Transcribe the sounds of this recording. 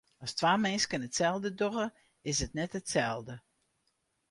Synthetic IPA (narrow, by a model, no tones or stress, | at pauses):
ɔstwaːmɛnskənətsɛlˠdədoɣə | ɪsətnɛtətsɛlˠdə